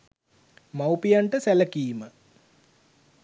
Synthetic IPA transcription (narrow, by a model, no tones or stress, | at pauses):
mawpijaɳʈəsæləkiːmə